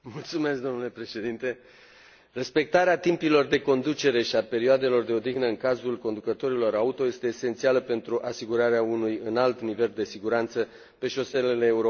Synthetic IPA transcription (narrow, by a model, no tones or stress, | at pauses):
mult̪sume̞sk̚d̪o̞mnule̞pɾe̞ʃe̞d̪int̪e̞ | re̞spe̞k̚t̪aɾeat̪impilo̞rd̪e̞ko̞nd̪ut͡ʃe̞ɾe̞ʃiape̞ɾioad̪e̞lo̞rd̪e̞o̞d̪iɣnəɨŋkazulko̞nd̪ukət̪o̞ɾilo̞ɾaut̪o̞je̞st̪e̞ːse̞nt̪sialəpe̞nt̪ɾuʔasiɡuɾaɾeaunujɨnalt̪nive̞ld̪e̞siɡuɾant̪sə | pe̞ʃo̞se̞leleːuɾo